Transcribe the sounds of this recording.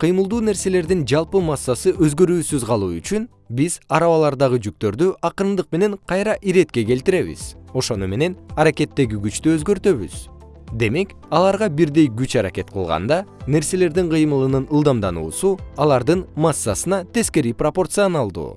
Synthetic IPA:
qʰɯjmɯlˠd̪uːne̞ɾse̞le̞ɾd̪ind͡ʒɑlˠpɯmɑsːɑsɯʔø̞zɡø̞ɾyːsyzʁɑlˠuːyt͡ʃyn | biz̥ɑɾɑβɑlˠɑɾd̪ɑʁɯd͡ʒyk̚t̪ø̞ɾd̪yʔɑqɯɾnd̪ɯq̚me̞ne̞ɴqʰɑjɾɑʔiɾe̞t̪̚ke̞ke̞lt̪iɾe̞βḭz̥o̞ʃo̞nume̞ne̞nɑɾake̞t̪ːe̞ɡiɡyt͡ʃt̪yø̞zɡø̞ɾt̪ø̞βy̰z̥ | d̪e̞me̞k | ɑlˠɑɾʁɑbiɾd̪e̞jɡyt͡ʃɑɾake̞t̪̚qʰɯ̰lˠʁɑ̰nd̪ɑne̞ɾse̞le̞ɾd̪iɴqʰɯjmɯlˠɯnɯnɯlˠd̪ɑmd̪ɑnṵːsuɑlˠɑɾd̪ɯnmɑsːɑsɯnɑt̪e̞ske̞ɾipropo̞rt̪sɨonɑlˠd̪ṵː

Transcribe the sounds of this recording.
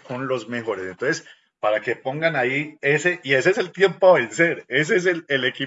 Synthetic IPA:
ko̞nlo̞zme̞xo̞ɾe̞sent̪o̞ns̬es | paɾake̞po̞ŋɡanaie̞se̞ʔie̞s̬eese̞lt̪je̞mpoaβense̞ɾes̬es̬eleleki

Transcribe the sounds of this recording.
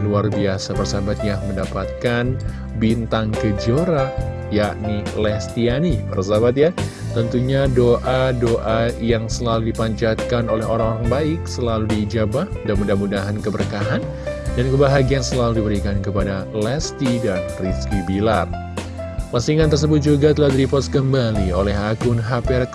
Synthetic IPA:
luarbiasapərsabat̪̚jaməndapat̪̚kan | bint̪aŋkəd͡ʒoɾa | jaʔnilɛst̪ianipərs̬abat̪̚ja | t̪ənt̪uɲadoʔadoʔajaŋsəlaludipaɲt͡ʃat̪̚kanolɛɦoɾaŋoɾaŋbaɪk̚səlaludid͡ʒabahmudahmudahmudaɦankəbərkaɦan | dankəbaɦaɡiansəlaludibəɾikankəpadalɛst̪idanriskibila̰r | pasiŋant̪ərs̬əbʊt̪̚d͡ʒuɡat̪əladɾipɔskəmbaliolɛɦaɡʊnɦapɛrk

